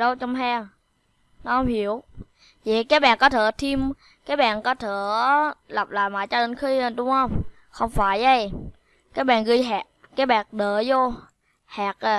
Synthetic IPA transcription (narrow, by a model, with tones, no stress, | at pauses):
ɗə˧wt͡ɕɔ˧wŋ͡mɦɛː˧ŋ | nɔ˨˦hə˧wŋ͡mhi˧˩˦əw | və˨˩kaː˨˦˥k̚ɓa̰ː˨˩nkɔ˨˦t̪ʰəː˧˨˩t̪ʰi˧m | kaː˨˥k̚ɓa̰ː˧˨nkɔ˨˦t̪ʰəː˧˩˨la˨˩p̚la̰ː˧˨jma̰ː˨jt͡ɕɔ˧ɗə˧˩ŋ̟xi˧˨˩ɗʊ˨˦ŋ͡mhə˧wŋ͡m | xə˧wŋ͡mfaː˧˩jʔə˧˩j | kaː˨˦˥k̚ɓa̰ː˨nɣi˧jɦɛː˨˩k̚kːaː˨˦˥k̚ɓaː˨˩n̚ɗəː˧˨˩zo˧ | hɛː˨˩k̚ʔ